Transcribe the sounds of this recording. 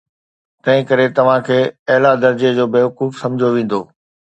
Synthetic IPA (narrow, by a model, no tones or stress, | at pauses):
t̪ɐ̃ɦɪ̃kɐɾet̪ɐʋ̤ãkʰeːɐɦɪlad̪ɐɾd͡ʑed͡ʑoːbeːʋɐquːfsɐ̃md͡ʑʱjoʋẽːn̆d̪oː